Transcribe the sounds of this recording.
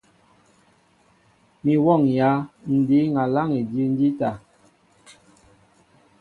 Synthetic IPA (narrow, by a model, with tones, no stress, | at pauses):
mi˨wɔ˦˨ŋja˨˦n̩˨di˨˦ŋa˨la˦ŋi˨dji˦n̩˦di˦ta˨